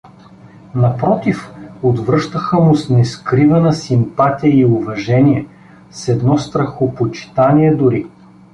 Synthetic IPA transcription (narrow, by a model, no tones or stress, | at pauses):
nɐpɾɔt̪ifod̪vɾɤʃt̪əxəmʊsnɛskɾivɛnəsimpat̪ijəiʊvɐʒɛniɛ | sɛd̪nɔst̪ɾɐxopot͡ʃi̥t̪aniɛd̪ʊɾi